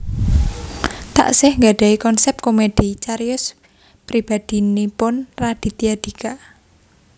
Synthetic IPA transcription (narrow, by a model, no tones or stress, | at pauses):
t̪a̰ʔsɪhŋɡaɖ̥a̤ikɔnsɛp̚komed̥it͡ʃaɾjʊs | pɾib̥ad̪̥i̤nipʊnrad̥i̤t̪iad̪̥ikaʔ